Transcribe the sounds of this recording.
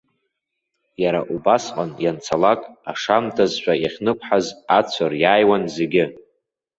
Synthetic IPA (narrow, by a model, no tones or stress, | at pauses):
jaɾaʔubasqʼanjant͡sʰalakʼaʂamtʰazʃʷᶣʼajaχʲnɨkʷʰʼħazat͡sʷʰarjaːjwanze̞ɡʲɪ